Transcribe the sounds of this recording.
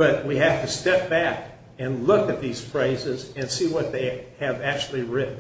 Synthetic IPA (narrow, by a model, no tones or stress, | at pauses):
b̥ʌt̚wiɦæftɨstɛp̚b̥æk | ɨ̃nlʊkɨt̪̚ðiz̥fɹeɪzɪzɨ̃nsiwʌt̪̚ðeɪɨvæk̚t͡ʃʉl̩ˠiɹɪʔn̩